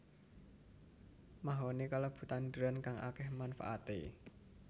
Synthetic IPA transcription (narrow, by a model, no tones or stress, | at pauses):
maɦonekaləb̥ṳt̪and̪əɾankaŋʔa̰kɛhmanfa̰ʔat̪ḛ